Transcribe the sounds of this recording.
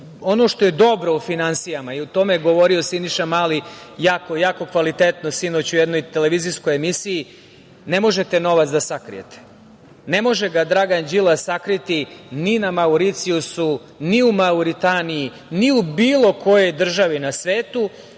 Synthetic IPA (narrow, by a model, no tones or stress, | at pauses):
o̞no̞ʃt̪o̞je̞d̪o̞bɾo̞ufinansijamaiut̪o̞meɡo̞ʋo̞ɾio̞siniʃamalijaːko̞jaːko̞kʋalit̪et̪no̞sino̞t͡ɕujed̪no̞jt̪ele̞ʋizisko̞jemisiji | ne̞mo̞ʒe̞t̪e̞no̞ʋat̪sd̪asakɾḭjḛt̪ʰe̥ | ne̞mo̞ʒeɡad̪ɾaːɡand͡ʑilˠasakɾit̪ininamauɾit̪siusu | niumauɾit̪aniji | niubiːlˠo̞ko̞jo̞jd̪r̩ʒaʋinasʋe̞ːt̪u